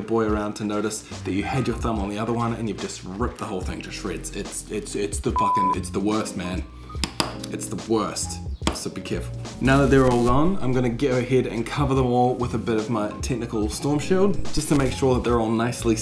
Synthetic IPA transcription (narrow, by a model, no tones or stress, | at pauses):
ɨbɔɪə˞ãʊ̃ntʰɨnoʊɾɨsðɨt͡ʃɨhɛd͡ʒə˞θʌ̃mə̃nðiʌðə˞wʌ̃nɨ̰̃njɨvd͡ʒʌst̚ɹɪp̚t̪̚ðəɦoʊlˠθɪ̃ŋtʰɨʃɹɪdz̥ɪtsɪtsɪtsðɨfʌkɨ̃nɪ̰tsðəwɜ˞st̚mæ̃n | ɨtsðəwɜ˞stsoʊbikʰɛɹfl̩ˠnaʊðɨt̪̚ðə˞ɔlˠɡɔ̃nã̰ɪ̃mɡʌnɨɡɛɾəɨhɛɾɨ̰̃nkʰʌvə˞ðə̃mɔlˠwɪðɨbɪɾʌvmaɪtʰɛk̚nɨkl̩ˠstɔɹmʃilˠd̚d͡ʒ̥ʌstʰɨmeɪkʃʊɹðət̪̚ðə˞ɔlˠnaɪsli